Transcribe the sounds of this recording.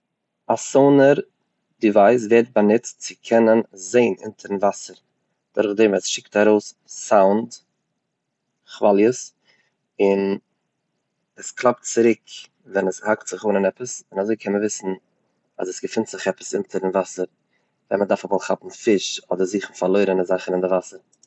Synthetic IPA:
asoʊnəɾ | dɪvaɪs̬vɛɾt̚banɪt͡stt͡sɪkʰɛnənzeɪnɪ̰ntʰəɾn̩vasəɾ | d̥ʊɾχdɛmɛsʃɪk̚taɾoʊs | saʊnd | χvalˠjəs | ɪn | ɛsklˠap̚tt͡sɪɾɪk | vɛnəshaktz̥ɪχuːnənɛpəsɪnazoɪkʰɛnməvɪsn̩ | a̰zəsɡəfɪntz̥ɪχɛpə̥sɪntʰəɾɪnvasəɾ | vɛ̰nmədaɾfɛmɔlˠχapm̩fɪʃɔdəɾziːχn̩falˠoɪɾənɪzaχənɪndɪvasəɾ

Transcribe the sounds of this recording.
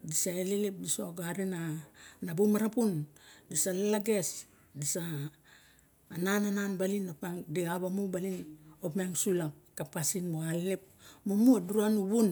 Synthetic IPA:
disaelelep̚disoɡaɾinanabumaɾapundisalalaɡe̞s | disa | nanananbalinopaŋdiabamubalinopmeŋsulakapasinmoallep̚momuaduɾuanuβun

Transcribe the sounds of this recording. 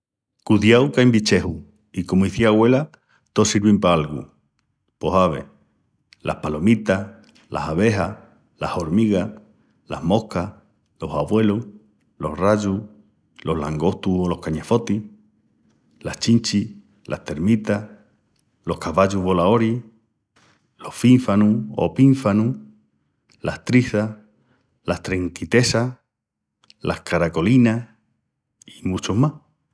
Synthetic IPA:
kuðjawkajmbit͡ʃehu | ikomoiθiaɣwe̞la | t̪osiɾβimpaalɣṵ | poɦaβḛ | lʔa̰hpalomit̪a | la̰haβeɦa | la̰hoɾmiɣa | la̰hmo̞hkah | lo̞saβwe̞lo | lo̞hraʝu | lohlaŋɡo̞ht̪uholo̞hkaɲefo̞t̪i | laht͡ʃint͡ʃi | lʔa̰ht̪eɾmit̪a | lohkaβaʝuβolaoɾi | lohfiɱfanuo̰piɱfanu | laht̪ɾiθa | laht̪ɾeŋkit̪esa | lʔahkaɾakolina | imut͡ʃohmah

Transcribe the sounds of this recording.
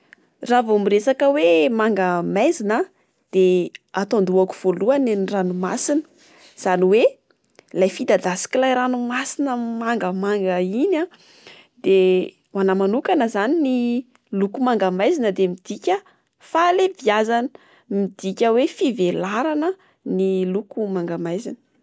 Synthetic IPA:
ravomiresakəwemaŋɡamajzinə | d̪̥eat̪ond̪uaku̥v̥oluaneniranumasinə̥ | z̥aniwe | lajfid̪ad̪asi̥kilajɾanumasinəmaŋɡəmaŋɡəina | d̪e | anamanukanəzanini | lukumaŋɡamajzinəd̪emid̪̥ikʲə | falebiazanə̥ | mid̪ikʲəwefivelaɾanə | nilukumaŋɡamajzinə

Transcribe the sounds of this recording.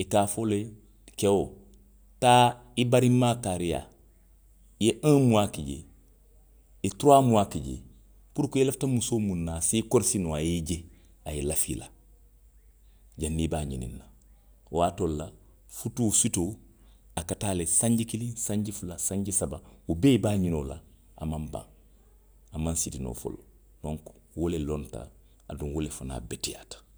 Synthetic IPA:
ikaːfole | kewo | ta | ibaɾimːakaɾija̰ | jeʔãmuwakiɟḛ | ituɾamuwakiɟḛ | puɾkueleftamusomunːasikoɾsinoajiɟe | ajilafḭla | ɟanːibaːɲinḭnːa | waːtolːa | futusito | akataːlesãɲɟikilĩnsaɲɟifulasãɲɟisabawubebaːɲinola̰ | a̰mãmbã̰ŋ | amãnsitino̰ːfo̰lo | dõŋk | wolelonta̰ː | duŋwolefana̰betija̰tḁ

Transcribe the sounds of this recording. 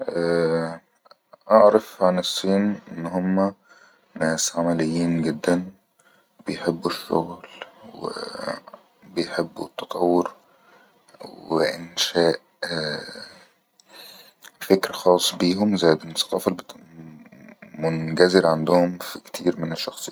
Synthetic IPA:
ʔæ | ʔaʕɾɑfʕanɨsˤːiːnʔɪnːhʊmːæ | næːsʕamælɪjːiːnɡɪd̪ːæn | b̥ɪjħɪbːuʃːʊ̰ɣlwɪ̰ | bɪjħɪbːṵt̪ːɑt̪ˤɑwːʊɾ | wɪ̰ʔɪnʃaːʔ | fɪkɾaxɑːsˤːbiːɦʊmzajd̪ɪlmsɑ̥qɑːfɑlb | mʊnɡæzɪɾʕand̪ʊhʊmfikt̪ʰḭːɾmɪnɪʃːɑxsˤɨː

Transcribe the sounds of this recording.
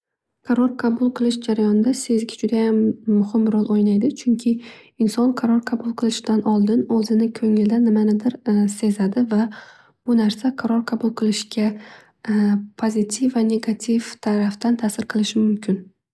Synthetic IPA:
qʰɑɾɒɾqʰɑbʊlˠqʰɨlˠɪʃd͡ʒaɾajɒnɪd̪ase̞zɡʲɪd͡ʒʊd̪ajamːʊhɪmbɪɾɒlˠʔojnajd̪ɪt͡ʃʰʊŋkʲʰɪɪnsɒnqʰɑɾɒɾqʰɑbʊlˠqʰɨlˠɪʃɪd̪anɒlˠd̪ɪnɵzɪnɪkʰɵŋɪld̪anɪmanɪd̪ɪɾse̞zad̪ɪva | b̥ʊnaɾsaqʰɑɾɒɾqʰɑbʊlˠqʰɨlˠɪʃɡʲa | pʰozɪt̪ʰifːane̞ɡat̪ʰift̪ʰaɾaft̪ant̪ʰasɪɾqʰɨlˠɪʃɪmʊmkʲʰɪn

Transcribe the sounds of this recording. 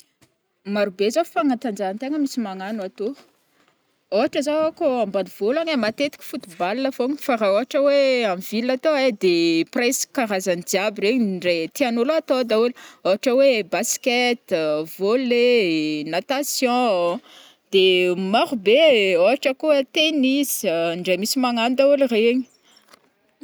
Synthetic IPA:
maɾubezofaŋat̪and͡ʒaant̪eŋəmisimaŋanat̪o | oaʈ͡ʂəzaakoambaniv̥olaŋemat̪et̪i̥kʲi̥fut̪ubalnəfoŋifaɾaoɦaʈ͡ʂəweamivilat̪oed̪epreskaɾazanid̪iabireɲɳɖ͡ʐet̪ianulat̪od̪auluoaʈ͡ʂəwebasket̪volenat̪asjɔ̃ | d̪̥emaɾubeoaʈ͡ʂəkuət̪enisɳɖ͡ʐemisimaŋand̪aulireɲi̥

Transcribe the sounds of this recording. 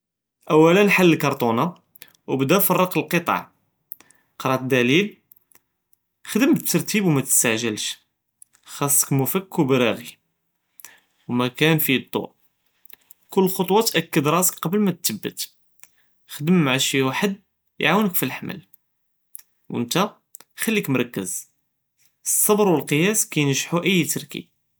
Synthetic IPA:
ʔæwːælənħalːəlkɑɾˤt̪ˤunɑ | wbd̪æfɑrˤːɑqəlqət̪ˤɑ̰ʕ | qɾˤɑt̪̚d̪ælil | xd̪əmət̪ːɑɾˤt̪ibwmæt̪ə̥st̪aʕʒəlʃ | xɑsˤːə̥kmufəkːwbɾæɣi | wmækænfid̪ˤːo̰ʔ | kʊlːxot̪ˤwɑt̪ʔækːəd̪ɾˤɑsə̥kqɑbəlmæt̪ːəbːə̰t̪ | xd̪əmːaʕaʃiwaħəd̪̚ | j̰ʕawənəkfilħmʔæ̰l | wə̰nt̪æ | xælːikmɾˤɑkːəz | əsˤːɑbɾˤwəlqəjæskæjnʒħuʔəjːt̪ɑɾˤkḭb̚

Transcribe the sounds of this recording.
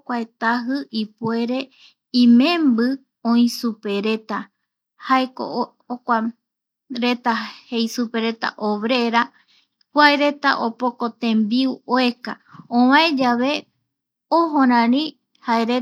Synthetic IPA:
kʷaet̪aɦɨʔipwe̞ɾe̞ | ĩmẽmbɨ | õĩsupe̞ɾet̪a | haeko̰ | okʷa | ɾet̪ahejsupe̞ɾe̞t̪a̰ʔoβɾe̞ɾa | kʷaeɾe̞t̪a̰ʔopoko̞t̪ẽmbiwoekaõβãẽd͡ʒaβe̞ | oɦõɾ̃ãɾĩ | haeɾe

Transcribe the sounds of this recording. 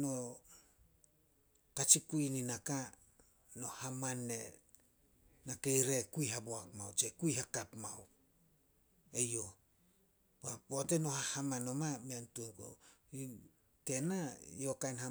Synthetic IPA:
no | kat͡ʃikuininaka | no̞hamanːe | nake̞jɾe̞kuiɦaboakmawt͡ʃekujhakapmaw | ejo̞ | baboteno̞hahamanomameantuoko̰i | te̞najo̞kajnha

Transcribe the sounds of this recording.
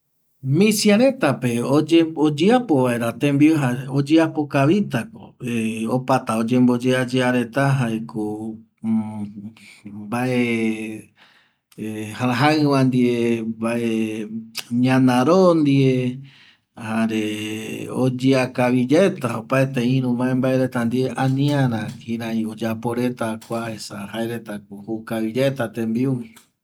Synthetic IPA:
mĩsiaɾe̞t̪ape̞od͡ʒebod͡ʒeapoʋae̞ɾat̪ẽmbioɦaod͡ʒeapo̞kaβit̪ako̰eopat̪aod͡ʒẽ̞mbo̞d͡ʒead͡ʒeaɾe̞t̪aɦaeko | baʔe | haɾaɦaɨwãnd̪iebaʔe | ɲãnãɾond̪ie | haɾe | o̰d͡ʒeakaβid͡ʒet̪aopaet̪eĩɾũβaẽmbaeɾe̞t̪and̪ieʔãnĩãɾãkĩɾãĩod͡ʒapo̞ɾe̞t̪akʷahesahaeɾet̪akohukaβid͡ʒet̪at̪embiuwi

